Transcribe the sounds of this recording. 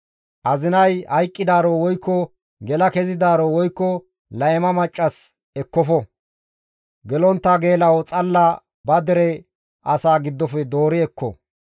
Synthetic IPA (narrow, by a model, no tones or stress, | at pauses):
ʔɐzɪnɐjhɐjkʼːɪd̪aːɾɔwɔjkːɔ | ɡɛlɐkɛzɪd̪aːɾɔwɔjkːɔ | lɐjɛmɐmɐt͡ʃʼːɐs | ɛkːɔfɔ | ɡɛlɔnt̪ːaɡe̞ːlɐwɔt͡sʼɐlːɐ | bɐd̪ɛɾɛ | ʔɐsaːɡɪd̪ːɔfɛd̪o̞ːɾɪɛkːɔ̰